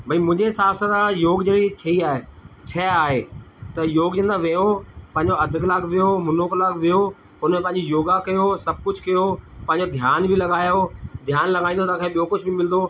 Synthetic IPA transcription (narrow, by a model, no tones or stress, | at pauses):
bʱɐimʊ̃ɦɪ̃ɲd͡ʑesaːʋsət̪ãjoːɡd͡ʑeːɽit͡ɕʰɐiaːɦeːt͡ɕʰɐaːɦet̪ɐjoːɡd͡ʑɐ̃nd̪aʋɐjopɐ̃ɦɪ̃ɲd͡ʑoɐd̪ʱɪklaːɡʋijomʊnoːklaːɡʋijo | ʊnmẽpɐ̃ɦɪ̃ɲ̆d͡ʑijoːɡakɐjosɐb̚ʱkʊd͡ʑʱkɐjopɐ̃ɦɪ̃ɲd͡ʑod̪ʱjaːnbʱɪlɐɠaːjod̪ʱjaːnlɐɠaːĩndot̪ãkʰaẽɓijokʊd͡ʑʰʱbɪmɪln̆d̪o